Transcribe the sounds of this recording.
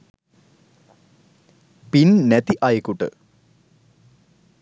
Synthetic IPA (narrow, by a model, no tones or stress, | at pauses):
pinnet̪iʔajikːuʈːɨ̰